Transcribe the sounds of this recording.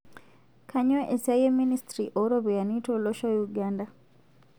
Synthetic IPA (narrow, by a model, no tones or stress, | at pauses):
kʰaɲoʔesajeministɾiʔoɾoβujanitoloʃɔjuɡanda